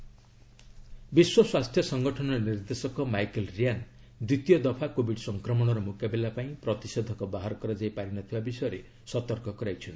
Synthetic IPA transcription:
biswɔswast̪ʰjɔsɔŋɡɔʈʰɔnɔniɾd̪esɔkɔmajkelɾian | d̪it̪ijɔd̪ɔpʰakobiɖsɔŋkɾɔmɔɽ̃ɔɾɔmukjabelapaĩpɾɔt̪isɔd̪ʱɔkɔbaɦaɾɔkɔɾad͡ʒajpaɾinɔt̪ʰibabisɔjɔɾe | sɔt̪ɔɾkɔkɔɾajt͡ʃʰɔn

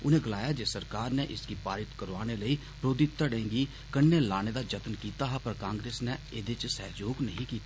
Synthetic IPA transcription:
ʊnẽːɡəlaːjaːd͡ʒeːsəɾkaːɾnɛːʔɪskiːpaːɾɪt̪kəɾʋaːñeːləiː | pɾoːd̪it̪əɽẽːŋɡiː | kənːeːlaːñeːd̪aːd͡ʒət̪nkiːt̪aːɦpəɾkãːŋɡɾeːsnɛeːd̪et͡ʃsɛ̰ːd͡ʒoːɡnəɦĩːkiːt̪aː

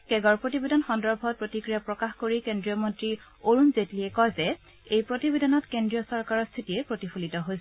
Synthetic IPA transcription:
kɛɡɔɹpɹotibedɔnxɔndɔɹbʱɔt̚pɹotikɹijapɹɔkaxkoɹikendɹijɔmɔntɹioɹunzetliɛkɔjzɛ | ejpɹotibedɔnɔtkendɹijɔsɔɹkaɹɔstʰitijɛpɹotifʰulitɔɦojs

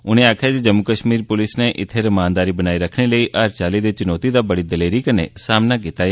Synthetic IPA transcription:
ʊñeaːkʰad͡ʒed͡ʒəmukəʃmiːɾpʊlɪsneʔɪt̪ʰeɾmãːnd̪aːɾibənaːiɾəkʰneləiʔaːɾt͡ʃaːlid̪et͡ʃʊnoːt̪id̪abəɽid̪əleːɾikənḛsaːmnaɡet̪aːj

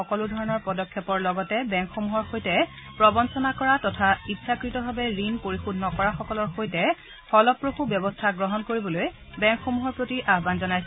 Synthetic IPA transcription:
ɔkɔludʱɔɹɔnɔɹpɔdɔkʰːɛpɔɹlɔɡɔtɛbɛŋkxomuɦɔɹxojtɛ | pɹɔbɔnsɔnakɔɹatɔtʰaitːʃakɹitɔbʱabɛɹinpoɹixudʱnɔkɔɹaxɔkɔlɔɹxojtɛ | xɔlɔpːɹoxubjɔbɔstʰaɡɹɔɦɔnkoɹibɔloj | bɛ̃ŋkxomuɦɔɹpɹotiʔaɦbanzɔnajs

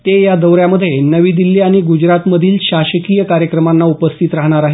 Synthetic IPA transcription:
t̪ejad̪əwɾjaməd̪ʱjenəʋiːd̪ilːiaɽ̃iɡud͡ʑɾat̪məd̪ʱiːlɕaɕəkijəkaɾjəkɾəmanːaupəst̪ʰit̪ɾaɦɽ̃aɾaɦe

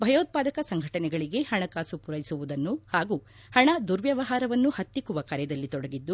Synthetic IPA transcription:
bʱɐjoːt̪̚paːd̪ɐkɐsɐŋɡʱɐʈɐnɛɡɐɭiɡe̞hɐɳɐkaːsupuɾɐjisuʋud̪ɐnːuhaːɡuː | hɐɳɐd̪uɾʋjɐʋɐɦaːɾɐʋɐnːuhɐt̪ːikuʋɐkɐɾjɛɐd̪ɐlːit̪ɔɽɐɡid̪ːu

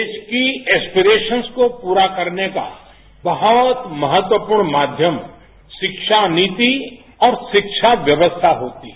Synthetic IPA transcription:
d̪eːʃkiɛːspiɾeːʃənskopuːɾakɐɾneka̰ | bɐɦɔt̪mɐɦət̪wəpuːɾɽɳmaːd̪ʱjəm | ʃɪkʃaniːt̪i | ɔːɾʃɪkʃʰaʋjəʋəst̪ʰaɦoːt̪i

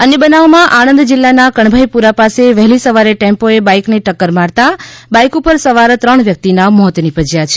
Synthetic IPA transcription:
ənebənaʋmãʔanənd̪d͡ʒɪlːanakəɳ̃bʱajpuɾapaseʋɛɦlisəʋaɾeʈẽmpoebajkneʈəkːəɾmaɽt̪abajkupəɾsəʋaɾt̪ɾəɳʋjək̚t̪inamɔɦt̪nipəd͡ʒjat͡ʃʰe

